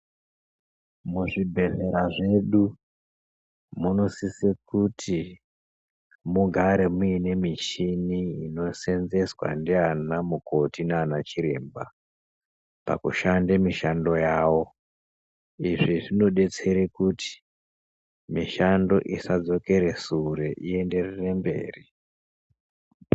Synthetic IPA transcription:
muʐibʱe̞ɮe̞ɾaʐe̞ɗu | muno̞sisekutʰi | muɡʱaɾe̞muine̞mit͡ʃiniino̞se̞nze̞swa̰ndianamuko̞tineanat͡ʃiɾe̞mba | pa̰kuʃandemiʃando̞jaːwo̞ | iʐiʐino̞ɗe̞t͡se̞ɾekuti̥ | miʃando̞ʔisad͡zo̞ke̞ɾe̞suɾeʔie̞nde̞rere̞mbe̞̰ːri

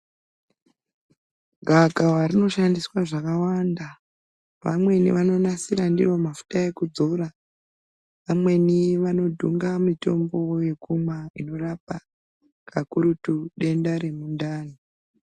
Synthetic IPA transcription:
ɡʱaɡʱawaɾino̞ʃandiswaʐakawanda | ʋa̰mwe̞nḭʋano̞nasiɾandḭromafu̥tae̞kud͡zo̞ɾa | ʋamwe̞niʋano̞dʱuŋɡamito̞mbo̞je̞kumwaino̞rapa | kʰakuɾutuɗe̞ndaɾe̞mundaːni

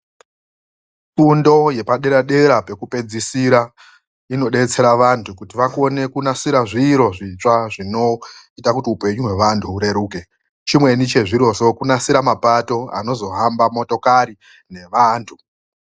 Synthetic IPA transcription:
fundo̞je̞paɗe̞ɾaɗe̞ɾape̞kupe̞d͡zisiɾa | ino̞ɗe̞t͡se̞ɾaʋantʰukutiʋako̞ne̞kunasiɾaʐiːɾo̞ʐit͡ʂaʐino̞itakutiupe̞ɲuɦwe̞ʋantʰuːɾe̞ɾuːke̞ | t͡ʃimwe̞nit͡ʃe̞ʐiɾo̞so̞kunasiɾamapato̞a̰no̞zo̞ɦambamo̞to̞kaɾi | ne̞ʋaːntʰu

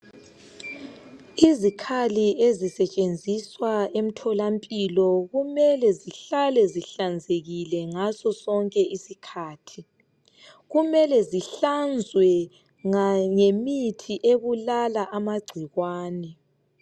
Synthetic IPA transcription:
izikʰaliezisɛt͡ʃʼend͡zʱiswaem̩tʰɔlampʼilɔɣumɛlɛziɬalɛziɬand͡zʱeɣilɛŋasɔsɔŋkʼɛʔisikʰaːtʰi | ɣumɛlɛziɬand͡zʱwɛ | ŋaŋemitʰiʔeβulalaʔamaɡ͡ǀʱiɣwaːnɛ

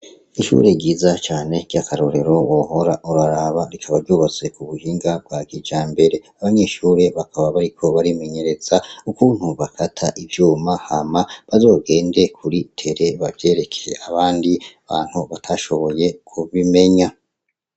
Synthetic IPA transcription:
iʃṵːɾe̞ɟiːzat͡ʃaːne̞ɟ̥ɟakʰaɾo̞ɾe̞ɾo̞woho̞ɾaʔuɾaɾaβaɾikʰaβaɾɟuβat͡se̞kuβuʒiːŋɡab̚ɡwaɡid͡ʒaːmbe̞ɾe̞aβaɲe̞ʃuːɾe̞βakaβaβaɾikʰo̞βaɾime̞ɲe̞ɾe̞z̥aukuːn̥huβakʰatʰaʔivjuːmahamaβazo̞ːɡe̞ːnde̞kʰuɾitʰe̞ɾe̞βavje̞ːɾe̞kʰejeʔaβaːndiaβaːn̥huβatʰaʃo̞βo̞je̞kʰuβime̞ɲa

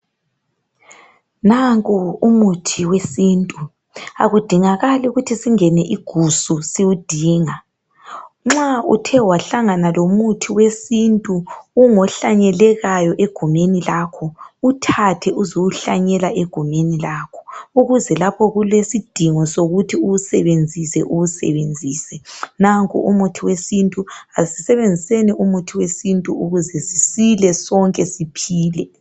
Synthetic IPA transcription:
naŋkʼuumutʰiwesintʼu | a̰ɣud̥ʱiŋaɣaluɣutʰisiŋɛnɛʔiɡ̥ʱususiwud̥ʱiːŋa | ŋ͡ǁaṵtʰɛwaɬaŋanalomutʰiwesintʼuːŋɔɬaɲɛlɛɣajɔʔeɡ̥ʱumenilaːkʰɔutʰatʰɛʔuzoɣuɬaɲɛlaʔeɡ̥ʱumenilaːkʰɔ̥uɣuzɛlapʰɔɣulesid̥ʱiŋɔsoɣutʰiuusɛβend͡zʱisɛ̰ʔuɣusɛ̰βend͡zʱiːsɛnaŋkʼṵʔumutʰiwesintʼuasi̥sɛβend͡zʱiseniʔumutʰiwesintʼuuɣuzɛzisilɛsɔŋkʼɛsipʰiːlɛ

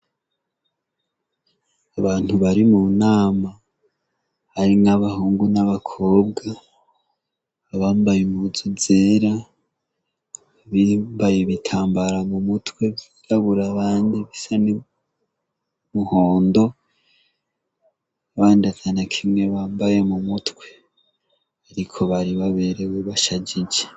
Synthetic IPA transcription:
aβaːn̥huβaɾimunaːma | haɾinaβahuːŋɡunaβakʰo̞ːb̚ɡa | βaːmbajemuzuzeːɾa | βimbajeβitʰaːmbaɾamumutwe̞βiɾaβuɾaβaːndiβisani | muhoːndo̞ | aβaːndazanakʰimŋe̞βaːmbaje̞mumutwe̞ | aɾikʰo̞βaɾiβaβe̞ɾe̞weβaʃad͡ʒid͡ʒe

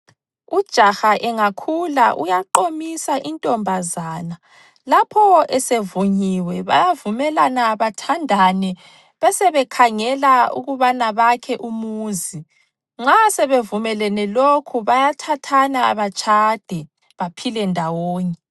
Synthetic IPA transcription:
ud̥ʒ̥ʱaxaʔɛŋakʰulaʔṵjaǃomisaʔintʼɔmbʱazaːna | lapʰɔɛsevuɲiwɛβa̰javumɛlanaːβatʰandʱanɛ | βɛsɛβɛkʰaŋɛlaṵɣuβanaβakʰɛʔumuːzi | ŋ͡ǁasɛβevumɛlɛnɛlokʰuβajatʰatʰana̰ːβat͡ʃʰʼad̥ʱɛ | βapʰilɛndʱawoːɲɛ

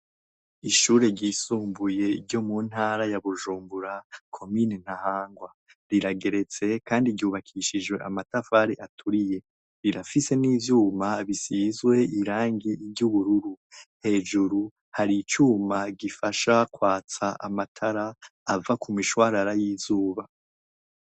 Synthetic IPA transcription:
iʃuːɾe̞ɟiːsuːmbuje̞iɾɟo̞mun̥haːɾajaβuʒuːmbuɾakʰo̞minen̥ahaːŋɡwa | ɾiɾaɡe̞ɾe̞t͡se̞kaːndiɟɟuːβakʰiʃiʒwe̞ʔamatafaɾeʔatʰuɾije̞ | ɾiɾafise̞niːvjuːmaβisizwe̞iɾaːŋɡiːɾɟuβuɾuɾu | he̞ːʒuɾu | haɾit͡ʃuːmaɡifaʃakwaːt͡saʔa̰matʰaɾaːvakumiʃwaːɾaɾajiːzuːβa

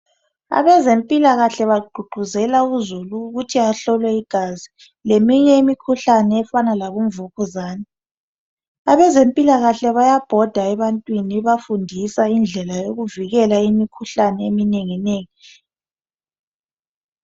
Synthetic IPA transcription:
a̰βɛzempʼilaɣaɬɛβaɡ͡ǃʱuɡ͡ǃʱuzɛlauzuluːɣutʰiaɬɔlwɛiɡ̥ʱazi | lemiɲɛimikʰuɬanɛːfanalaβuɱvuɣuzaːnɛ | aβɛzempʼilaɣaɬɛβajab̥ʱɔd̥ʱaɛβantʼwiniβafundʱisaind͡ɮʱɛlajoɣuviɣɛlaimikʰuɬanɛemineŋineːŋi

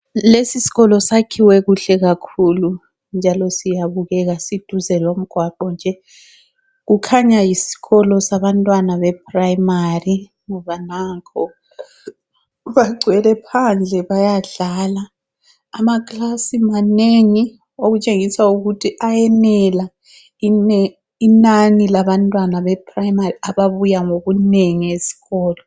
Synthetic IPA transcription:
lesisi̥ɣɔlɔsakʰiwɛɣuɬɛɣakʰulu | nd͡ʒʱalɔsijaβuɣɛɣasid̥ʱuzɛlom̩ɡ̥ʱwaǃɔnd͡ʒʱɛ | ɣukʰaɲajisi̥ɣɔlɔsaβantʼwanaβɛpʰʼraimari | ŋɔβanakʰɔ | βaɡ͡ǀʱwɛlɛpʰand͡ɮʱɛβajaɮalaː | makʼlasimaneŋi | oɣut͡ʃʼeŋisauɣutʰiʔajɛnɛla | inɛ | inanilaβantʼwanaβɛpʰʼrajimariaβaβujaŋoɣuneŋiesi̥ɣɔːlɔ

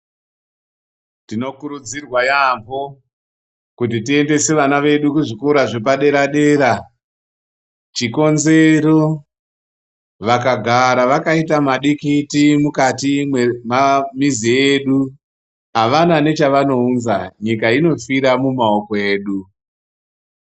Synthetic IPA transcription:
tino̞kuɾud͡zirwajambo̞ | kutitiende̞se̞ʋanaʋe̞ɗukuʐikuɾaʐe̞paɗe̞ɾaɗe̞ːɾa | t͡ʃiko̞nze̞ɾo̞ | ʋakaɡʱaɾaʋakaitamaɗikitimukatimmamizieɗu | ɦaʋanane̞t͡ʃaʋano̞unzaɲikaino̞fiɾamumao̞koeːɗu

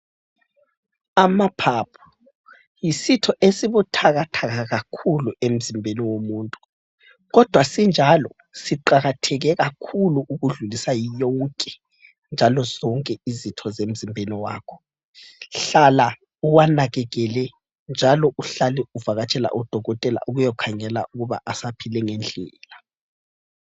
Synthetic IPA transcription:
amapʰapʰu̥ | jisitʰɔʔesiβutʰaɣatʰaɣaɣakʰuluem̩zimbʱeniwomuːntʼu̥ | ɣɔd̥ʱwasind͡ʒʱalɔ | siǃaɣatʰɛɣɛɣakʰuluʔuɣuɮulisajijɔŋkʼɛ | nd͡ʒʱalɔzɔŋkʼɛizitʰɔzem̩zimbʱeniwa̰ːkʰɔ̥ | ɬala | uwanaɣɛɣɛlɛ | nd͡ʒʱalɔʔuɬaliuvaɣat͡ʃʼɛla̰ʔud̥ʱɔɣɔtʼɛla̰ʔuɣujɔkʰaŋɛla̰uɣuβa̰ʔasapʰilɛŋɛnd͡ɮʱɛːla

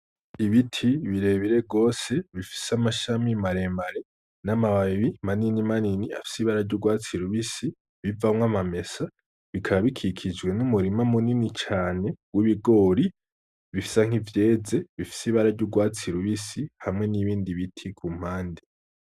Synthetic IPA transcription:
iβitʰiβiɾe̞βiɾe̞ɡo̞ːse̞βifi̥samaʃamimaɾe̞mbaɾe̞ | namaβaβimaninimaninia̰fi̥siβaɾaɾɟuɡwaːt͡siɾuβisi | βivamŋwamame̞sa | βikʰaβaβikʰikʰid͡ʒɡwe̞numuɾimamuninit͡ʃaːne̞ɡwiβiɡo̞ːɾi | βifi̥saŋ̥ivje̞ːze̞βifi̥siβaɾaɾɟuɡwaːt͡siɾuβisihamŋe̞niβiːndiβitʰikʰum̥haːndi

